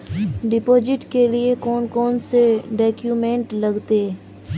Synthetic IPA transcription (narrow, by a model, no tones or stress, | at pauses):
ɖɪpoːd͡ʒɪʈkeliekɔːnkɔːnseɖɛːkjuːmẽɳʈlɐɡt̪eː